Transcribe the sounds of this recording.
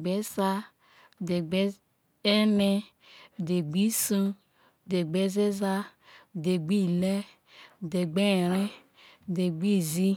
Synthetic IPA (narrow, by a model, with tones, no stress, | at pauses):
ɡ͡be˦sa˦˨ | de˨ɡ͡be˦ | e˦nɛ˦˨ | de˨ɡ͡bi˦sũ˦˨ | de˨ɡ͡be˦ze˦za˦˨ | de˨ɡ͡bi˦lɛ˦˨ | de˨ɡ͡be˦˨ɾɛ˦˨ | de˨ɡ͡bi˦˨zi˦